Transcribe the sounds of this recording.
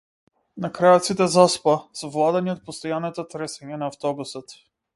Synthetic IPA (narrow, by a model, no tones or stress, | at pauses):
nakɾajat̪sit̪ɛzaspasɔvlˠad̪ɛniot̪̚post̪ɔjanːat̪at̪ɾɛsɛɲanaːft̪ɔbusət̪